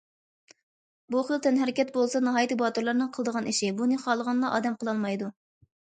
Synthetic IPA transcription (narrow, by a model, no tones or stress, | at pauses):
buχəlˠt̪ʰɛnɦɛɾɪkʲɛt̪bolˠsɑnɨɦɑːjt̪ɨbɑt̪uɾlˠɑɾnɨŋqʰəlˠəd̪əʁɑniʃibunɨχɑlˠəʁɑnlˠɑʔɑ̰ːd̪ɛmqəlˠɑlˠmɑjd̪u